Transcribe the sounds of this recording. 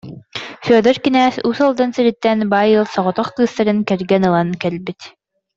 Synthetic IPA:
fyœðœɾkinæːsusɔlˠd̪ansiɾit̪ːɛnbaːjɯlˠsɔʁɔt̪ɔχkɯːst̪aɾɯnkɛɾɡɛnɯlˠankɛlbit̪

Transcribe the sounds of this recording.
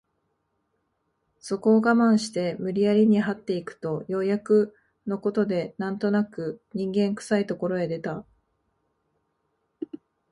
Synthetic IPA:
so̞ko̞ːɡamãɰ̃ɕi̥t̪e̞mɯ̟ɾʲiaɾʲiɲ̟iɦat̪ːe̞ikɯ̟̥t̪o̞jo̞jakɯ̟ | no̞ko̞t̪o̞d̪e̞nãnt̪o̞nakɯ̟ɲ̟ĩŋɡẽ̞ŋkɯ̟̥sait̪o̞ko̞ɾo̞e̞d̪e̞t̪a

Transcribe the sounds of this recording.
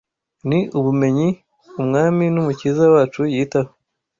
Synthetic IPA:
niuβume̞ɲi | umŋaːminumuciːzawaːt͡ʃujiːtaho

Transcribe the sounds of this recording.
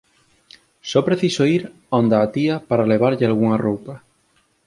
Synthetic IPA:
sɔpɾeθisoiɾ | ond̪aːt̪iapaɾaleβ̞aɾʎealɣuŋarowpa

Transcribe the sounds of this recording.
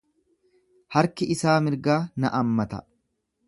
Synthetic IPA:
hɐɾkɪɪsaːmɪɾɡaːnɐʔɐmːɐt̪ɐ̰

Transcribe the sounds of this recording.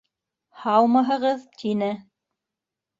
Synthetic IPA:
hɑwˠmɑɦɤ̆ʁɤðt̪ʰinɘ

